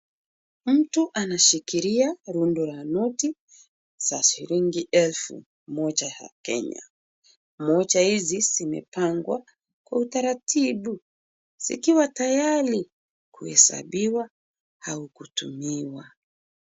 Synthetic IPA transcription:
m̩tuʔanaʃikiɾiaɾundɔɾanuti | saʃiɾiŋɡiʔɛlfṵ | mɔt͡ʃaa̰kɛ̰ɲa̰ | mɔt͡ʃahiziz̥imɛ̰paŋɡwa | kwautaɾatʰiɓu | z̥ḭkiwatajaɾi | kuhɛ̰sa̰ɓiwa | haukutṵmiwa

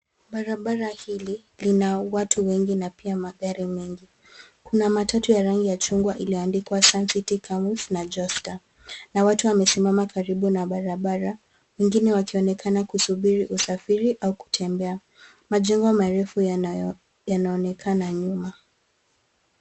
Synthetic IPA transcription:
ɓaɾaɓaɾahili | linawatʰuwɛŋɡinapiamaɠaɾimɛŋɡi | kunamatʰatujaɾaŋɡijat͡ʃuŋɡwaʔiliɔandikwasansitikʰamusnad͡ʒɔsta | nawatuwamɛsimamakaɾiɓunaɓaɾaɓaɾa | wɛŋɡinɛwakiɔnɛkʰanakusuɓiɾiʔusafiɾiʔauku̥tʰɛmbɛa | maʄɛŋɡɔmaɾɛfu | janaɔnɛkʰanaɲuma

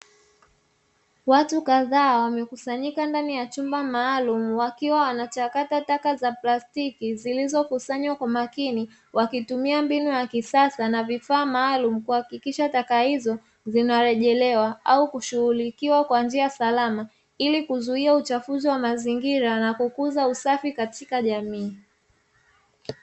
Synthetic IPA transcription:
watukaðaːwamɛkusaɲikandanijat͡ʃumbamaːlumuwakiwawanat͡ʃakatatakazaplastikizilizɔkusaɲwakwamakini | wakitumiambinujakisasanavifaːmaːlum̩kuhakikiʃatakahizɔ | zinaɾɛʄɛlɛwaʔaukuʃuhulikiwakwand͡ʒiasalama | ilikuzuiaut͡ʃafuziwamaziŋɡiɾanakukuzausafikatikaʄamiː

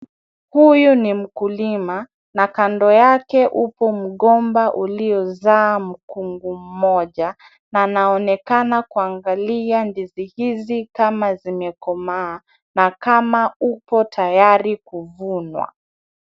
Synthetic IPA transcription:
hujunim̩kulima | nakandɔjakɛʔupɔm̩ɠɔmbaʔuliɔzaːm̩kuŋɡum̩mɔʄa | nanaɔnɛkanakuaŋɡaliandizihizikamazimɛkɔmaː | nakamaupɔtʰajaɾikuvunwa̰

